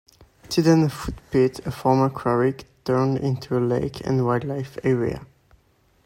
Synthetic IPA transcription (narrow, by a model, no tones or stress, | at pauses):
tʰidə̃nfut̚pɪtəfɔɹmə˞kʰɹ̥ɔɹɪkd̥ʰɜ̃˞ndɪ̰̃ntʰuəleɪkʰɨ̰̃nwaɪdlaɪfɛɹḭə̰